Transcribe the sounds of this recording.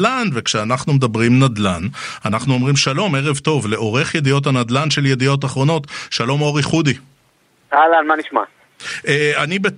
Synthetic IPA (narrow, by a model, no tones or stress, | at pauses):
lanve̞kʃeanaχnume̞dabʁimnad̪lananaχnuomʁimʃalo̞me̞ʁe̞vto̞vle̞ʔo̞ʁe̞χjed̪ijo̞thanad̪lanʃe̞lje̞d̪ijo̞t̬aχʁo̞no̞t̪ʃalo̞mo̞ʁiχud̪i | alanmaniʃma̰ | ʔeanibe